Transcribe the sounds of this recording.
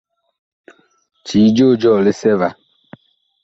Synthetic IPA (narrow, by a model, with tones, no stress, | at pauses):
t͡ʃiː˨˦d͡ʒo˦˨d͡ʒɔː˦˨le˦sɛ˦va˨